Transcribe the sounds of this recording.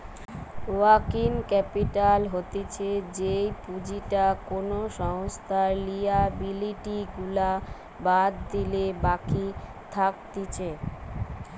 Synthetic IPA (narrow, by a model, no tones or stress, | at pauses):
wakinkɛpiʈalɦot̪et͡ɕʰed͡ʑejpud͡ʑiʈakonoʃɔŋst̪ʰaɾlijabiliʈiɡula | bad̪d̪ilebaki | t̪ʰak̚t̪it͡ɕʰe